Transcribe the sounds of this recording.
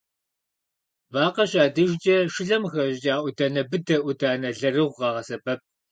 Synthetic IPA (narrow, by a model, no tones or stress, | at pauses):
baːqɐɕʼaːdɨʒt͡ʃʼɐʃɪɮɐmxɐʑt͡ʃʼaːʔʷʊdɐnɐbɨdɐʔʷʊdaːnɐɮɐrɨʁʷʁɑːʁɐsɐbɐp̚